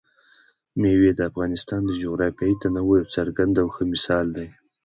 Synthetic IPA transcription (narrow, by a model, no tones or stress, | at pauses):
mewed̪əafɣɑnɪst̪ɑnd̪əd͡ʒoɣɾɑpjɑit̪anawojawt͡saɾɡand̪awxəmɪsɑld̪aj